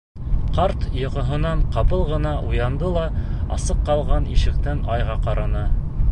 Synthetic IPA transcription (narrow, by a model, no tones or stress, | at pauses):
qɑɾt̪jŏʁɤ̆ɦɤ̆nɑɴqɑpɤlˠʁɤ̆nɑʔujɑnd̪ɤlˠɑɑ̰sɤqːɑlˠʁɑniʃɘ̆k̚t̪ænɑjʁɑqɑɾɑnɤ